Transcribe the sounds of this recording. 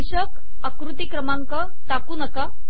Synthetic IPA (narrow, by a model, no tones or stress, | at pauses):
iɕək | əkɾut̪ikɾəmaŋkə | t̪akuːnəka